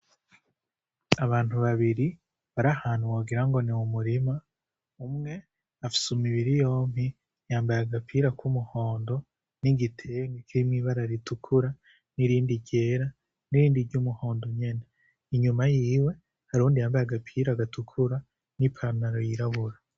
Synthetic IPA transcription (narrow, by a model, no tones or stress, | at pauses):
aβaːn̥huβaβiɾi | βaɾahaːn̥uwoːɡiɾaŋɡo̞newumuɾima | umŋe̞ | afi̥sumiβiɾijo̞ːmi | jaːmbajaɡapʰiɾakumuho̞ːndo̞ | niɡitʰeŋɡikiɾimŋiβaɾaɾitukʰuɾa | niɾiːndiɟe̞ːɾa | niɾiːndiɾɟuːmuho̞ːndo̞ɲe̞ne | iɲumajiːwe̞ | haɾuːndijaːmbajaɡapʰiːɾaɡatʰukʰuɾa | nipʰanaɾojiɾaβuɾa